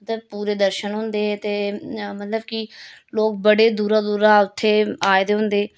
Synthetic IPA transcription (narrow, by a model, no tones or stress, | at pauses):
ət̪əbpuːɾeːd̪əɾʃənɦʊ̃nd̪eːt̪eːmət̪ləbkɪloːk̚bəɽeːd̪uːɾaːd̪uːɾaːʊt̪ʰːeːaːed̪eːɦʊ̃nd̪eː